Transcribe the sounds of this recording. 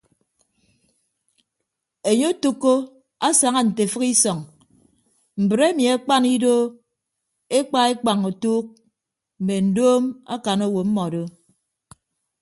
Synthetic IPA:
e˨ɲo˦tu˦kːo˦ | a˦sa˨ŋa˦n̩˨te˨fɨ˦ki˦sɔ˨ŋ | m̩˨bɨ˨ɾe˦mi˨a˦k͡pa˦ni˦do˦ | e˦k͡pa˦e˦k͡pa˨ŋo˨tuː˦k̚ | m̩˨me˨n̩˨doː˦ma̰˦ka˨no˦wo˨m̩˦mɔ˨do˦

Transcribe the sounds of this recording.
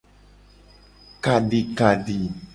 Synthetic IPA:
ka˨ɖi˨ka˨ɖi˨

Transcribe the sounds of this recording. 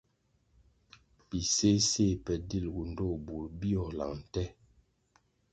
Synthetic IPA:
pi˨se˦se˦˨pɛ˨di˦˨lɡu˨n̩˨˦do˦˨bu˨ɾbi˦ɔ˨la̰˨ŋn̩˨tɛ˦

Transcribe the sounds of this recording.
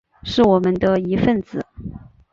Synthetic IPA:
ʂɻ̩˥˩wɔ˨˩mə˦nd̪ə˧i˧˥fə˥˩˧nt͡sɹ̩˨˩˦

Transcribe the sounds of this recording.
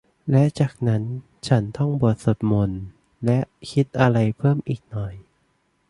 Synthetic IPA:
lɛ˦˥t͡ɕaː˨˩k̚na˦˥n | t͡ɕʰa˦˥nt̪ʰɔ˥˩ŋbu˨˩ət̪̚so˨˩t̪̚mo˧n | lɛ˦˥ʔkʰi˦˥t̪̚ʔa˧ɾa˧jpʰɤː˥˩mʔiː˨˩k̚nɔ˨˩j

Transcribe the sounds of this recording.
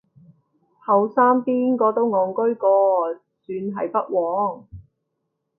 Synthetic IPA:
hɐ˨˧wsaː˥mpiː˥nkɔː˧t̪o˥wŋɔː˨˧ŋkɵ˥ɥkɔː˧ | t͡syː˨˧nɦɐ̰˨jpɐ˥t̚wɔː˨˥ŋ

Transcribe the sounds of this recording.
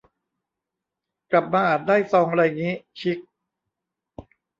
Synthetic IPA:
kla˨˩p̚maː˧ʔaː˨˩t̪̚daː˥˩jsɔː˧ŋɾa˧jŋiː˦˥t͡ɕʰi˦˥k̚

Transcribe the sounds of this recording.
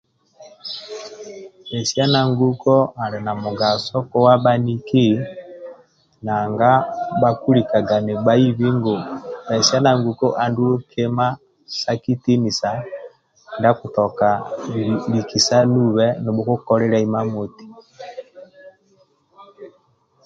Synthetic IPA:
ɛ˨si˦a˦na˨ŋɡu˦kɔ˦a˨ɾɛ˨na˨mu˨ɡa˨sɔ˦kɔ˦wa˦ba˦ni˦ki˦ | na˨ŋɡa˦ba˦ku˦ɾi˨ka˨ɡa˨ne˨ba˦i˦βi˦ŋɡo˨bɛ˨si˦a˦na˨ŋɡu˨kɔ˦ʔa˨ndu˦lu˦kʰe˦ma˦ | sa˦ki˦ti˦ni˨sa˨ | nda˦ku˨tɔ˨ka˨ | βi˨ki˨sa˦nu˦βɛ˦ni˨bu˦ku˦kɔ˦ɾɛ˦ɾa˦i˦ma˦mo˨ti̥˨

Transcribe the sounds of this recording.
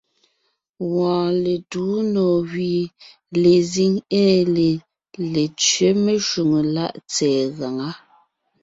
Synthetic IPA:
wɔ̃ː˨le˨tuː˨˦nɔː˨ɣɥiː˨ | le˨zi˦ŋɛː˦le˨ | le˨t͡ʃɥe˦me˨ʃu˨ŋə˨la˦˨ʔt͡sɛː˨ɣa˨ŋa˦

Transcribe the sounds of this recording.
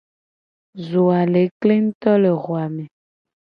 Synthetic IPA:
zo˨a˨le˨˦kle˦ŋ̩˦t̪ɔ˦le˨ɣwa˨mẽ˨

